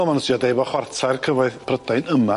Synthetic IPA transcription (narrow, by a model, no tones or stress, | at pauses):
lˠmanəsiɔdejbɔχwartʰajrkʰəvɔɨθpʰrədaɨnəma